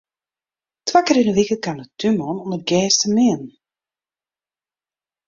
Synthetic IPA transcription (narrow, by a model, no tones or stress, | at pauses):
tʰwakəɾɪnəʋikəkanətymɔnɔndərɡɛːstəmɪən